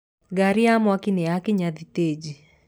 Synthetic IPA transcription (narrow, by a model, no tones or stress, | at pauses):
ɡaɾɪamwakɪneakɪɲaðited͡ʒi